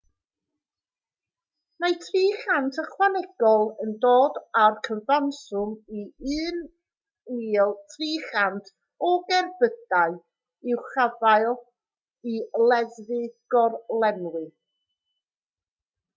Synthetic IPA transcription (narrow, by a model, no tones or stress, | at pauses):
najtʰriːχantʰəχwanɛɡ̥ɔlˠəndoːdarkʰənvansʊmiɨːn | wiːlˠtʰriːχantʰ | ɔɡɛrbəd̥aɨ | ɪwχavajlˠ | ilˠɛðvɨɡ̥ɔrlɛmlˠɨ